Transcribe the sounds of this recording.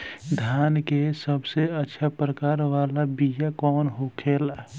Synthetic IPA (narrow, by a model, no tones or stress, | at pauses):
d̪ʱjaːnkesəbseətːʃʰapɾəkaːɾʋaːlabijakɔːnɦokʰeːl